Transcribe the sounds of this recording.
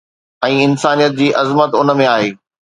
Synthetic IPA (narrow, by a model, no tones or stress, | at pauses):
ɛ̃ːɪnsaːnijət̪̚d͡ʑiːʔɐzmət̪ʊnə̆mẽaːɦeː